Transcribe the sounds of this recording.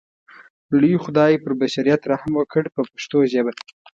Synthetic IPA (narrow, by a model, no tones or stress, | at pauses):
lijuxʊd̪ɑjepəɾbaʃaɾijat̪ɾahamwəkʰəɽpəpaʃt̪oʒaba